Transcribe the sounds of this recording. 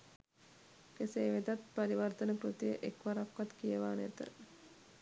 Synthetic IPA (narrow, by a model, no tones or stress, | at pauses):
keseːʋed̪at̪̚pɐɾiʋərt̪ənəkɾut̪ijəʔekʋaɾakʋat̪kijəʋaːnæt̪ə̰